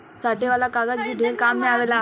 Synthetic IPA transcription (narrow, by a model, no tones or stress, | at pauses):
saʈeʋalakaɡad͡ʑbid̪ʱekamːeaʋela